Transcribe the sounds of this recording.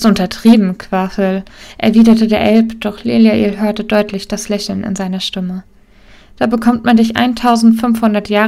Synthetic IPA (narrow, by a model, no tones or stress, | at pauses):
tʊntɐtʁ̥iːbm̩kʰv̥afəlʔɛ̰ɐviːdɐtədeːɐʔɛlpd̥ɔχleːljaʔeːlɦøːɐtədɔʏtʰlɪçd̥aslɛçl̩nɪ̰nzaɪnɐʃtɪmə | d̥aːbəkʰɔmtmandɪçʔa̰ɪntʰaʊzn̩tfʏnfhʊndɐtjaːʁ